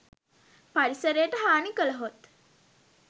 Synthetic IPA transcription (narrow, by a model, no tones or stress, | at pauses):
paɾisəɾejəʈəɦaːnikələɦot̪